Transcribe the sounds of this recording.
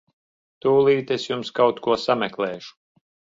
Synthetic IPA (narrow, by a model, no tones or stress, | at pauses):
t̪uːlˠiːt̪esjumskawt̪kuɔsamɛklˠɛːʃu̥